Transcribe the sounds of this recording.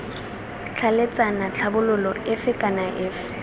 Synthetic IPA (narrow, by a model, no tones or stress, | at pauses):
t͡ɬʰalet͡sʼanat͡ɬʰabʊlʊlɔɪfɪkʼanaʔɪːfɪ